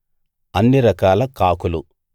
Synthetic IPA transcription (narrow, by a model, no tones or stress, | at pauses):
ɐnːiɾɐkaːlɐkaːkulu